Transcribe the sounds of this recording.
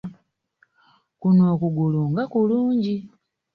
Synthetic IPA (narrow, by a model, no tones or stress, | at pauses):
kunoːkuɡuluŋɡakuluːɲɟi